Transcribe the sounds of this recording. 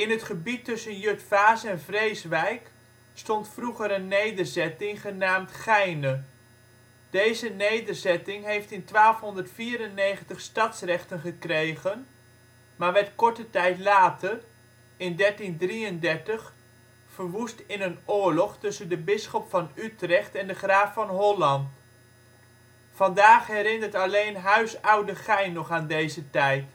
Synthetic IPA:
ɪnɦətχəbitːɵsənjøtfaːsɛnvrejsʋɛjk | stɔntfruχəɾənːejdərzɛtɪŋχənaːmtχɛjnə | d̥ejzənejdərzɛtɪŋɦejftɪntʋaːlˠfɦɔndətfiːɾənːejχəntəχstɑtsrɛχtənχəkrejχən | maːɹʋɛtkɔɹtətɛjtlaːtər | ɪndɛɹtindriəndɛɹtəχ | fəɹʋustɪnənʊːɹlɔχtɵsəndəbɪsχɔpfɑnytrɛχtɛndəχraːffɑnɦɔlɑnt | fɑndaːχɦɛɾɪnətɑlejnɦœɥsɑwdəχɛjnɔχaːndejzətɛjt

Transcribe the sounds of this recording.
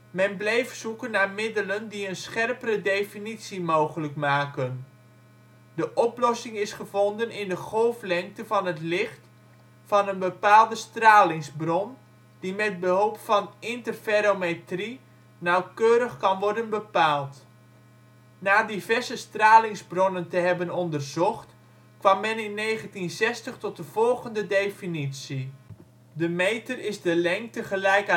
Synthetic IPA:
mɛnblɛjftsukənːarmɪdələndiənsχɛrpərədejfinitsimowχələkmaːkən | dəʔɔplɔsɪŋɪsχəv̥ɔndənɪndəχolˠflɛŋk̚təvɑnətlɪχt | fɑnənbəpaːlˠdəstraːlɪŋzbrɔn | d̥imɛt̚bəɦɔlˠpfɑnɪntərfeɾometri | nawkøːɾəχkɑnʋɔrdənbəpaːlˠt | naːdivɛrzəstraːlɪŋzbrɔnəntəɦɛbənɔndərzɔχt | kʋamːɛnɪnːeːɣəntinsɛstəχtɔt̚dəv̥ɔlˠɣəndədejfinitsi | dəmejtərɪzdəlɛŋk̚təχəlɛjk

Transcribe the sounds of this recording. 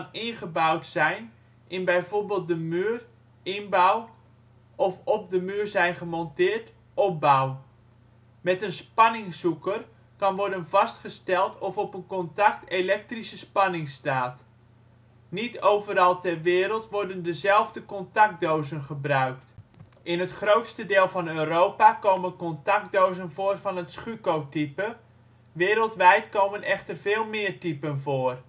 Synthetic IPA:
kɑnɪnχəbawtsɛjn | ʔɪnbɛjvorbeːlˠt̚dəmyːr | ɪnbaw | ɔfɔp̚dəmyːrzɛjnχəmɔntɪːɹt | ɔp̚baw | mɛtənspɑnɪŋsukər | kɑnʋɔɹdənvɑstχəstɛlˠtʰɔfɔpənkɔntɑktelɛk̚trisəspɑnɪŋstaːt | nitowvəɾɑlˠtɛrʋɪːɾəlˠtʋɔrdəndəzɛlˠvdəkɔntɑk̚doːzənχəbrœɥkt | ʔɪnɦətχrowtstədɪːlˠvɑnøːrowpakowmənkɔntɑk̚dowzənvoːrvɑnətsχykowtipə | ʋɪːɾəlˠtʋɛjtkoːwmənɛxtərv̥eːlˠmɪːrtipənvoːr

